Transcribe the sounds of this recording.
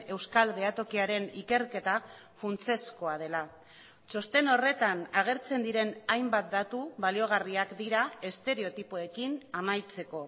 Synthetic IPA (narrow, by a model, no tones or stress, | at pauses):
e̞wskalde̞at̪o̞kiaɾe̞nike̞ɾke̞t̪a | funt͡se̞sko̞að̞e̞la | t͡ʃo̞st̪e̞no̞re̞t̪anaɣ̞e̞ɾt͡se̞nd̪iɾe̞najmbat̪̚d̪at̪uβalio̞ɣ̞ariakd̪iɾae̞st̪e̞ɾe̞o̞t̪ipoe̞kinamajt͡se̞ko̞